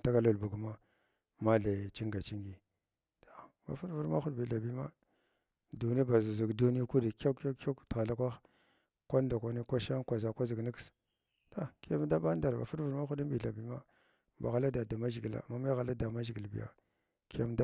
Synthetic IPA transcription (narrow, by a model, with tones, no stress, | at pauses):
ta˦ka˦lu˨lbu˨ɡma˦ | ma˦ɮe˨t͡ʃi˦ŋɡa˨t͡ʃi˦ŋɡi˨ | ta˨ | ba̰˨fu˦ɾvu˨ɾma˦xu˦dbi˨ɬa˨bi˦ma˦ | du˨ni˦ba˨zzi˨ɡdu˦ni˦ku˦di˨ka˦ka˦ktɣa˨la˦kʷa˦x | kʷa˦n˦da˨kʷa˦ni˦kʷa˦ʃa˦ŋkʷa˨za˨kʷa˦zi˨ɡni˦ks | ta˦ki˦ja˦m˦da˦ɓa˦n˦da˨ɾba̰˨fu˦ɾvu˨ɾma˦xu˦di˦bi˨ɬa˨bi˦ma˦ | ba̰˨ɣa˨la˦da˨da˨ma˦ʒi˨ɡla̰˨ma˦ma˦ɣa˨la˦da˨ma˦ʒi˨ɡi˨lbḭ˨ja̰˨ | ki˦ja˦m˦da˦